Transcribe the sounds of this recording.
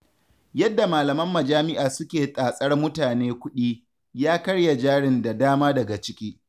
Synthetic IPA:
jɐ˦dːa˨maː˨lɐ˨mɐ˦mːɐ˨d͡ʒaː˦mɪ˦ʔaː˨sʊ˦kʲeː˨tʼaː˨sʼɐ˦rmʊ˦taː˨neː˦kʷʊ˦ɗiː˦ | jaː˦kɐ˦ɽja˨d͡ʒaː˦ɽɪ˨nda˨daː˦maː˦dɐ˨ɡa˨t͡ʃɪ˦kʲiː˦

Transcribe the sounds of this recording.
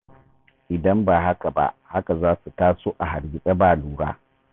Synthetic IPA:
ʔɪ˨dɐ˦mbaː˨ɦa˦ka˨ba̰˦ʔha˦ka˨zaː˦su˨taː˦soː˦ʔa˨ɦa˨ɾɡʲɪ˨sʼɐ˦baː˦˨luː˨ɽa̰ː˦

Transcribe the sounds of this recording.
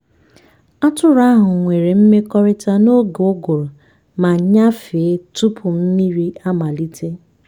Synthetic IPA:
a˦tʊ˦ɾa˦ɦʊ˨ŋʷe˨ɾe˨m̩˦me˦kɔ˦ɾɪ˦ta˦no˦ɡo˦ɡʊ˨ɾʊ˨ | ma˨ɲa˦fɪ˨e˦tu˦pʰʊ˨n̩˦ni˦ɾi˦a˦ma˨li˦te˦

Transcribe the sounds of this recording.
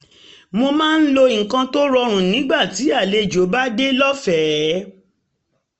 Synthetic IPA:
mo˧mãː˦˧n̩˦lo˧˨ŋ̩˨kã˧to˦ɾɔ˧ɾ̃ũ˨nĩ˨˦ɡ͡ba˦˨ti˨˦a˦˨le˧˨d͡ʒo˨˦ba˦de˦lɔ˦fɛ˨

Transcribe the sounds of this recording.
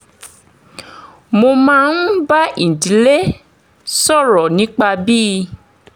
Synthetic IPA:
mo˧mãː˦˧n̩˦ba˦ĩ˨di˨˦le˦ | sɔ˦˨ɾɔ˨nĩ˨˦k͡pa˧bi˦˧

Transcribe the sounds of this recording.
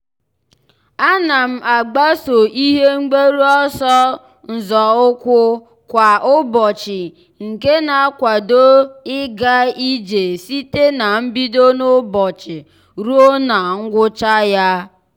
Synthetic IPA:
a˦na˨m̩˦a˨ɡ͡ba˦so˨i˦ɦe˦ŋ͡m̩˦ɡ͡be˦ɾu˦ɔ˦sɔ˦ | n̩˨zɔ˨ʊ˦kʷʊ˦ | kʷa˨ʔʊ˦bɔ˨t͡ʃɪ˨ | ŋ̩˨ke˦na˨˦kʷa˨do˦ɪ˦ɡa˦i˦d͡ʒe˨si˦te˦na˨m̩˦bi˦do˦nʊ˦bɔ˨t͡ʃɪ˨ | ɾu˦o˦na˨ŋ̩˦ɡʷʊ˦t͡ʃa˦ja˦

